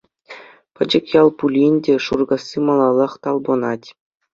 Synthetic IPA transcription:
pɘ̆d͡ʑɘ̆kjɑlˠpulʲinʲdʲeʂurɡɑsʲːimɑlˠɑlˠɤ̆χt̪ɑlˠbɤ̆nɑtʲ

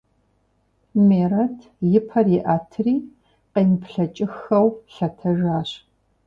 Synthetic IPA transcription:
meːrɐtʰ | jɪpʰɐriʔaːtʰɨriː | qeːnpʰɬɐt͡ʃʼɪxɐwɬɐtʰɐʒaːɕ

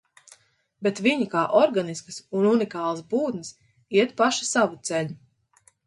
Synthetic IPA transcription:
bet̪viɲikaːʔɔɾɡaniskɐsununikaːlˠasbuːd̪nɨs | iɛt̪paʃḁsavut̪sɛʎu

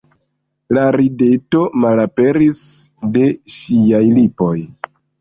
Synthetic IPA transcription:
laɾideto̞malape̞ɾis | de̞ʃiajlipo̞j

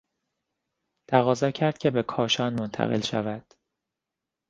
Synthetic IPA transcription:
t̪ʰæɣɒːzɒːcʰæɾd̪̥̚cʰe̞be̞kʰɒːʃɒːnmont̪ʰæ̰ɣe̞̰lʃæ̰væd̪̥

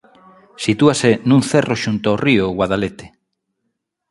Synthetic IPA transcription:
sit̪uasenũŋθeroʃunt̪oaorioɣwaðalet̪e̥

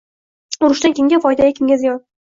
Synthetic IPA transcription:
ʊɾɪʃt̪ankʲeŋɡʲafɒjd̪aɡʲakʰʲɪmɡʲazɪjɒn

